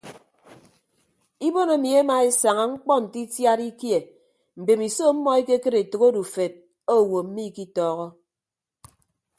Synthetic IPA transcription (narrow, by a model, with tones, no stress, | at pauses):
i˦bo˦no˨˦mi˨e˦ma˨e˦sa˨ŋa˨ŋ͡m̩˦k͡pɔ˦n̩˨ti˦tja˦ɾi˦kje˨ | m̩˨be˨mi˨so˦m̩˦mɔ˦e˦ke˦kɨ˦ɾe˨tɨ˨ɣo˦du˨fe˨t̚ | o˦˨wo˨m̩˦mi˦˨ki˦tɔː˨˦ɣɔ˦